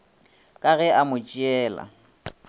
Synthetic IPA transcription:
kʼaɣɛʔamʊt͡ʃʼiɛːla̰

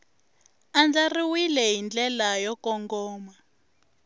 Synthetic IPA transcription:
and͡ʒariwilɛɦind͡ɮɛlajɔkɔŋɡɔːma

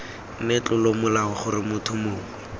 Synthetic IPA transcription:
net͡ɬʊlomʊlaʊχʊrɪmʊtʰʊmoːŋɪ

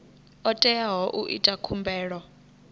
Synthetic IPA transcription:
ɔtʼɛjaɦɔʔuʔḭtʼakʰumbʱɛːɺɔ

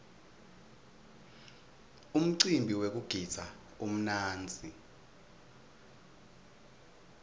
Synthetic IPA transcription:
um̩ǀimbʱiwek̬uɡ̥ʱi̥z̥ʰʱa | um̩naːnd͡zʱi

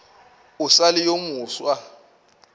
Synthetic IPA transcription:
ʊsalɪjomuːswa

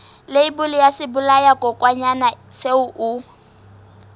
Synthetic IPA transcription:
leibʊlijasɪbʊlajakʼɔkʼwaɲana | seʊʔu

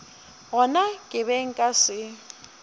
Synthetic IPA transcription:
ɦɔnakʼɪβɛŋ̩kʼasɪ

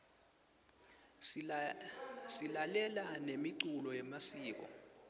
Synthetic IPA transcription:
silalɛlanemiǀulɔjɛmasiːk̬ɔ̰

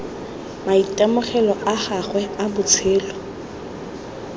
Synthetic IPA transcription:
maitʼɛmʊχɛlɔʔaχaχwɛabʊt͡sʰeːlɔ

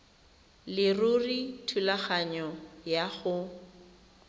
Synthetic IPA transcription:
lɪrʊritʰulaχaɲɔjaχʊ

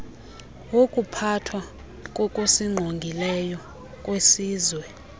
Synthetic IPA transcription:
wokʼupʰatʰwa | kʼɔkʼosiŋ͡ǃʱoŋɡʱilɛjɔ | kʼwesiːzwɛ

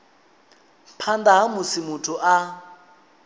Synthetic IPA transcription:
pʰandaɦamʊsɪmʊtʰʊʔa

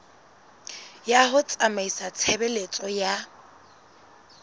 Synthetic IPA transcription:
jahʊt͡sʼamaisat͡sʰɛbɛlet͡sʼɔja

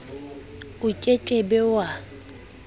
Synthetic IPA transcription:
ʊcʼet͡ʃʼebɛwa

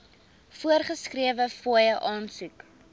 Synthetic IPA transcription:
fuərχəskriəvəfojəʔɑːnsuk

